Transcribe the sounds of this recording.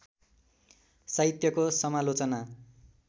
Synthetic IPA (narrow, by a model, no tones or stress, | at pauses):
saɦit̪jʌkosʌmalot͡sʌna